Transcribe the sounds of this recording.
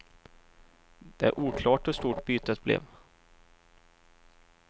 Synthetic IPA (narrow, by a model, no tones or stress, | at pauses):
d̪̥ɛæ̰ɾʔuːkʰlɑːʈɔst̪uːʈbyːt̪ət̪̚blɛ̰v